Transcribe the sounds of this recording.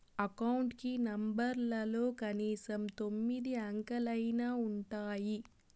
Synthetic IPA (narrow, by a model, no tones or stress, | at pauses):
ɐkɐwɳʈkinɐmbɐɾlɐlo̞ːkɐniːsɐmt̪o̞mːid̪iaŋkɐlɐjnaːuɳʈaːji